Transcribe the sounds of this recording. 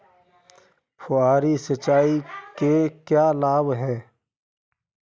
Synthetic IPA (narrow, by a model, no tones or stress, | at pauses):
pʰʊaːɾisɐt͡ʃaːikekjaːlaːbɦɛː